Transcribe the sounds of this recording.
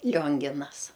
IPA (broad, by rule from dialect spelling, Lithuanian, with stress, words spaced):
ˈlʲoːŋʲɡʲɪnɐs